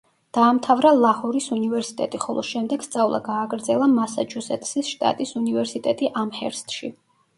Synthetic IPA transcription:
d̪̥aːmt̪ʰavɾalˠahɔɾisunivɛɾsi̥t̪ʼɛt̪ʼiχɔlˠɔ̰ʃɛmd̪ɛɡ̥st̪sʼavlˠa̰ɡaːɡɾd̪zɛlˠamasa̰d͡ʒʰusɛt̪ʼsisʃt̪ʼa̰t̪ʼisunivɛɾsit̪ʼɛt̪ʼiʔamhɛ̰ɾst̪ʼʃḭ

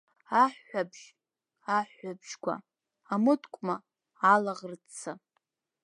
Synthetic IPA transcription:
aħːʷabʒ̥ | aħːabʒ̥kʷa̰ | amɨtʰkʷʼmaː | laʁərt͡sʰa

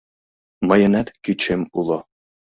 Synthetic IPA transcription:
mɤ̆jə̆næt̪kyt͡ɕemulˠo

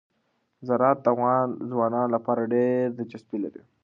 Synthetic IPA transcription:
zaɾɑt̪̚d̪afɣɑnzwɑnɑnlapɑɾaɖeɾd̪ət͡ʃaspilaɾi

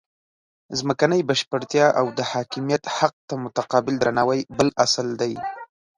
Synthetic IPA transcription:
zməkanəjbaʃpəɾt̪jɑʔawd̪əhɑkɪmijat̪haq̚t̪amʊt̪aqɑbɪld̪ɾanɑwajbəlasld̪aj

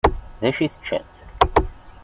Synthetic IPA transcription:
ðæʃiθt͡ʃːæ̰nθ

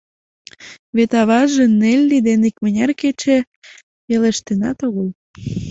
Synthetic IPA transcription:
βet̪ɑβɑʒenelʲːid̪enekmənʲɑrket͡ɕe | jeleʃt̪enɑ̰t̪oɣəl

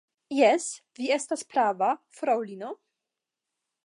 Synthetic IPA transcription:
jɛsviestaspɾavafɾawlino

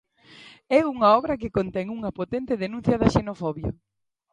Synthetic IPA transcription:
ɛuŋɐɔβɾɐk̬ɪkont̪ɛŋuŋɐpot̪ɛnt̪ɪðenũnθjɐðɐʃenofɔβjo

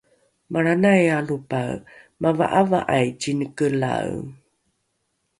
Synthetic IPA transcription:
maɾanajalupaɰ | mava̰ʔava̰ʔajt͡ɕinəkəla̰w

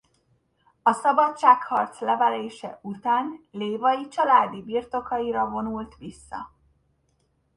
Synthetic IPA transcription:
ɒsɒbɒt͡ʃːaːkhɒrt̪slɛvɛleːʃɛ̰ut̪aːnleːvɒjit͡ʃɒlaːd̪ibirt̪o̞kɒiɾɒvo̞nult̪ʋisːɒ̰

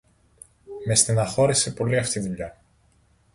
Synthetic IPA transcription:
mest̪inɐxo̞ɾise̞po̞liɐft̪iðuʎɐ

